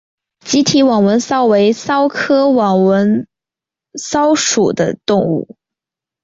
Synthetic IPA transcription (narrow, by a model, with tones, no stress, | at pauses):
t͡ɕi˧˥t̪ʰi˧˥wɑ˨˩ŋwə˧˥nsɑ˥ʊwe˧˥ɪsɑ˥ʊkʰɤ˥wɑ˨˩ŋwə˧˥n | sɑ˥ʊʂu˨˩d̪ə˦t̪ʊ˥˧ŋṵ˥˩